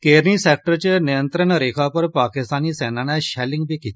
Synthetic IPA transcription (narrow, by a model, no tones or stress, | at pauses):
keɾniːsɛk̚ʈəɾt͡ɕenijənt̪ɾəɳɾekʰapəɾpakist̪aniːsɛnanaɕɛliŋɡ̚bekit̪